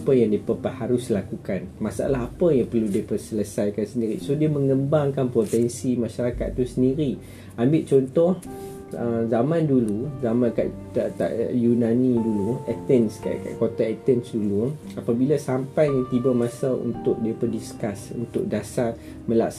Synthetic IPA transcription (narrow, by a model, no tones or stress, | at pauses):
pəjaŋdiəpəpəhaɾʊslakukanmasaʔa̰laɦapəjaŋpərludiəpərsələsajkansəndiɾisodiəmə̃ŋəmbaŋkanpot̪ɛnsimãʃaɾaka̰t̪̚ːusəndiɾi | ambɪʔt͡ʃɔnt̪ɔh | əzamãnduluzamãnka̰ʔ | t̪a̰ʔjunãniduluɛt̪ɛnska̰ʔka̰ʔkot̪aɛt̪ɛnsdulu | apabilasampajjaŋt̪ibamãsaṵnt̪ʊk̚diəpərdiskasṵnt̪ʊ̰k̚dasar | mə̃la̰ks